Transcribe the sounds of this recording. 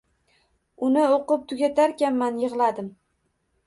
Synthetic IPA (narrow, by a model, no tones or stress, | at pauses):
ʊnɪoqɨp̚t̪ʰʊɡʲat̪ʰaɾkʲanmanjɨʁlˠad̪ɪm